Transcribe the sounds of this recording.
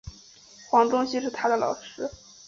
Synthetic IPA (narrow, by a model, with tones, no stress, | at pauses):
xwɑ˧˥ŋt̪ʊ˥ŋɕi˥ʂɻ̩˥˩t̪ʰa˥d̪ə˨lɑ̰˨˩ʊʂɻ̩˥